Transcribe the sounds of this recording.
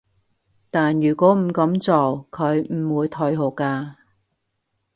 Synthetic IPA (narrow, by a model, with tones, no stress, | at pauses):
t̪aː˨njyː˨˩kʷɔː˨˥m̩˨˩kɐ˨˥mt͡so˨˩wkʰɵ˨˧ɥm̩˨˩wuː˨˧jt̪ʰɵ˧jɦo˨˩wkaː˧